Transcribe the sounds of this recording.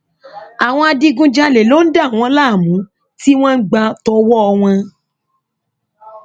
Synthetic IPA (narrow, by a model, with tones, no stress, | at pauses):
a˨w̃ɔ̃˧a˧di˧ɡũ˧d͡ʒa˧le˨lo˦n̩˦da˦˨w̃ɔ̃˧˦la˦˨mũ˨˦ | ti˦w̃ɔ̃˦n̩˦ɡ͡ba˧tɔ˧wɔ˦ɔ˧w̃ɔ̃˧